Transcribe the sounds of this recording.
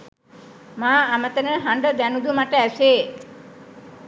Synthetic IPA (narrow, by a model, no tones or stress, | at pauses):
mãamət̪ənəɦãɳɖəd̪ɛnud̪ʱumaʈeəʃe